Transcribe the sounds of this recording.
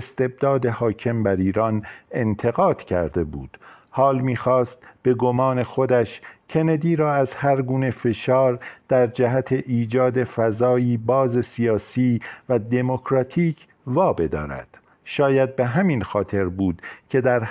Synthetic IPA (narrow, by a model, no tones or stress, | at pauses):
est̪e̞b̚d̪ɒːd̪e̞hɒːcʰe̞mbæɾiːɾɒːne̞nt̪ʰe̞ɣɒːd̪̥cʰæ̰ɾd̪e̞bṵːd̪̥ | hɒːlmiːxɒːst̪̚b̥e̞ɡo̞mɒːne̞xo̞d̪æʃcʰe̞ned̪iːɾɒːæzhæɾɡuːne̞fe̞ʃɒːɾd̪̥æɾd͡ʒæɦæt̪ʰe̞ʔiːd͡ʒɒːd̪e̞fæzɒːiːbɒːze̞sijɒːsiːvæd̪e̞mo̞kʰɾɒːt̪ʰiːcʰ | vɒːbe̞d̪ɒ̰ːɾæ̰d̪̥ | ʃɒːjæd̪̚be̞ɦæminxɒːt̪ʰe̞ɾbuːd̪̥cʰe̞d̪æɾ